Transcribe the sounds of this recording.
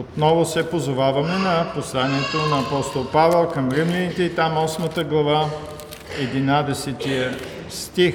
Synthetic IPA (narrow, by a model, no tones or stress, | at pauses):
ot̪nɔvʊsɛpozovavɐmɛnɐposlˠaniɛt̪onɐːpɔst̪olˠpavɛlˠkɐmɾimlɛnit̪ɛit̪amɔsmət̪əɡlˠɐva | ɛd̪inad̪ɛsɛt̪iə | st̪ix